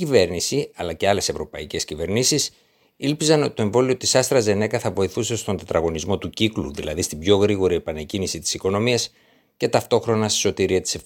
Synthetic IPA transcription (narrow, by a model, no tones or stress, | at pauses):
ive̞ɾnisiɐlɐce̞ɐle̞sevɾo̞pɐ̰ice̞scive̞ɾnisis | ilpizɐno̞t̪it̪oe̞ɱvo̞lio̞t̪isɐst̪ɾɐze̞ne̞kɐθɐvo̞iθuse̞st̪o̞nd̪ɐt̪ɾɐɣo̞nizmo̞t̪uciklṵðḭlɐ̰ðist̪ibʝo̞ɣɾiɣo̞ɾiepɐnecinisit̪i̥siko̞no̞miɐs | ce̞t̪ɐft̪o̞xɾo̞nɐst̪i̥so̞t̪iɾiɐt̪i̥sef